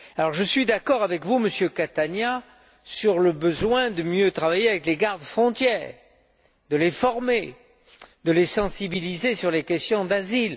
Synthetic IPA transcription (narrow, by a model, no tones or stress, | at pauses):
alɔʁʒəsɥid̪akɔʁavɛkvuməsjøkat̪anja | syʁləbəzwɛ̃d̪əmjøt̪χavajeavɛkleɡaʁd̪fχɔ̃t̪jɛːʁ | d̪əlefɔʁme | d̪əlesɑ̃sibilizesyʁlekʲɛst̪jɔ̃d̪azil